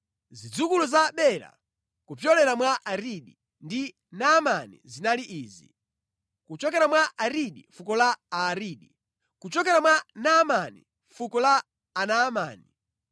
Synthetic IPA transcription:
zid͡zukuluzaɓɛɾa̰ | kupjɔlɛɾamwaʔaɾiɗi | ndi | namanḭzinaliʔiːzi | kut͡ʃɔkɛɾamwaʔaɾiɗifukɔlaaɾiːɗi | kut͡ʃɔkɛɾamwanamanḭ | fukɔlaː | naːma̰ːni

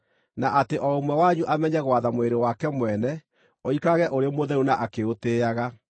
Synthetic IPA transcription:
naʔateʔɔomwɛwaɲuʔamɛɲɛɣwaðamweɾewakɛmwɛnɛ | oikaɣɛʔoɾemoðɛunaʔakeoteaɣa

